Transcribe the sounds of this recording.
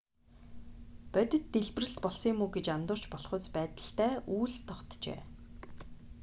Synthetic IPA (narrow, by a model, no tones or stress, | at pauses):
pœt̪ʲɪ̆t̪ːeɮpɘ̆rɘ̆ɬt̪pɔɮsiːmuːɡet͡ɕamt̪ʊːr̥t͡ɕpɔɮχʊːt͡spæːt̪ə̆ɬt̪æːʔuːɮst̪ʰːɔχt̪t͡ɕḛː